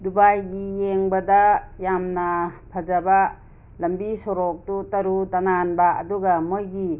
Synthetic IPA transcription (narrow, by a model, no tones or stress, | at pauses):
dubajɡijeŋbadajamnapʰad͡ʒaba | lɐmbisɔɾɔk̚tutaɾutananbaɐ̰duɡamojɡi